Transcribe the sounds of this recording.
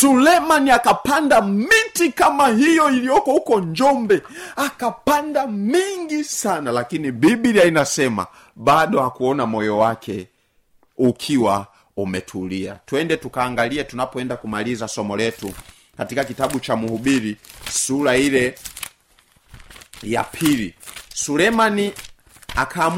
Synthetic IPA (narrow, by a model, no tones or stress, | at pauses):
tulɛmaniakapandamitikamaɦijɔilijɔkɔhukɔɲd͡ʒɔmbɛakapandamiŋɡisanalakinibibiɾiainasɛma̰ | ɓaɗɔhakuɔnamɔjɔwakʰɛ | ukʰiwa | umɛtʰulia̰tuwɛndɛtukaːŋɡaliɛtunapɔɛndakumalizasɔmɔlɛtu | katikakitaɓut͡ʃamuhubiɾisuɾailɛ | ja̰pʰilisulɛmani | akʰaːm